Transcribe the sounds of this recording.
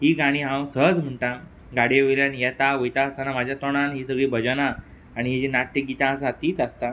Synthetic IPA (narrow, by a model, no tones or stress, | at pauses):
ɦiːɡaɽ̃iːɦãwsəɦəd͡zm̤əɳʈã | ɡaɽ̤eʋeljanjɛt̪aʋəjt̪ãəsanamad͡ʑʱjat̪oɽ̃anɦiːsəɡɭiːbʱəd͡ʑənaː | ɽ̃iɦid͡ʑinaʈːik̚ɡit̪ãəsãt̪iːt͡sast̪a